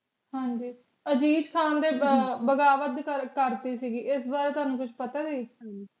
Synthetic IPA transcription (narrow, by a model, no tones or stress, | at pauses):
ɦãːɲd͡ʒiː | əd͡ʒiːd͡ʒkʰaːnd̪eːbəɡaːʋət̪kəɾkəɾt̪iːsiːɡiːɪsbaːɾet̪aːnũːkʊt͡ʃʰpət̪aːd͡ʒiː